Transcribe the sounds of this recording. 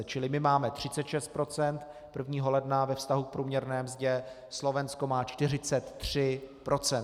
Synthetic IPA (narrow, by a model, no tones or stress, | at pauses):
t͡ʃɪlɪmɪmaːmɛt̪r̝̥ɪtt͡sɛt̪ʃɛst̪̚pɾo̞t͡sɛnt̪ | pr̩vɲiːɦo̞lɛdnavɛfst̪aɦuk̚pɾuːmɲɛɾnɛːmzɟɛ | slo̞vɛnsko̞maːt͡ʃt̪ɪr̝ɪt͡sɛt̪ːr̝̥ɪpɾʔo̞t͡sɛn